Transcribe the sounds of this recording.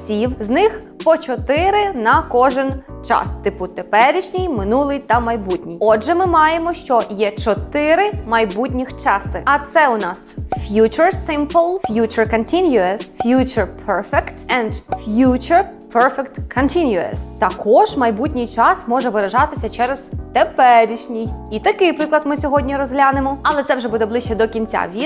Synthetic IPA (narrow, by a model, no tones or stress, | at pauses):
sʲiwznɪx | pɔt͡ʃɔt̪ɪɾɪnɐkɔʒɪnt͡ʃɑ̰st̪ɪpʊt̪epɛɾʲiʃnʲijmɪnulˠɪjt̪ɐmɐjbutʲnʲijɔdʒɛmɪmɑjemɔʃt͡ʃɔjɛt͡ʃɔt̪ɪɾɪmɐjbutʲnʲixt͡ʃɑsɪɐt̪sɛʊnɑsfjut͡ʃʊɹsɪmplˠfjut͡ʃʊɹkɔnt̪ʲinʲjʊɐsfjut͡ʃʊɹpʰɛɹfɛkt̪ɛnd̪fjut͡ʃʊɹpʰɛɹfɛkt̪kʰɔnt̪ʰinʲjʊɐ̰st̪ɐkɔʒmɐjbutʲnʲijt͡ʃɑsmɔʒɛʋeɾɐʒɑt̪ɪsʲɐt͡ʃɛɾɛz̥t̪epɛɾʲiʃnʲijit̪ɐkɪjpɾɪklˠɐd̪mɪsʲɔɦɔdʲnʲiɾɔzɦlʲanɪmɔɐlˠɛt̪sɛwʒɛbud̪ɛblˠɪʃt͡ʃɛd̪ɔkʲinʲt͡sʲa̰ʋʲi